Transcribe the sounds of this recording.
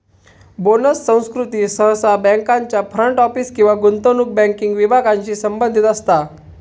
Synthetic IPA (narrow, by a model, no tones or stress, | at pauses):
bonəsːə̃w̃skɾut̪iːsəɦsabɛ̃ŋkaɲt͡ɕjafɾəɳʈɔfiːskĩw̃ʋaɡunt̪onuk̚bɛ̃ŋkiŋɡʋibʱaɡaɲt͡ɕiːsəmbənd̪ʱit̪əst̪a